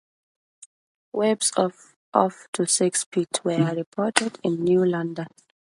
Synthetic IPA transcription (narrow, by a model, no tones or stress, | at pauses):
wɛbsɔf | ɔ̰ftʰusɪkspʰitʰwəɹipʰɔtʰɛdɪ̃nːjulãndə̃n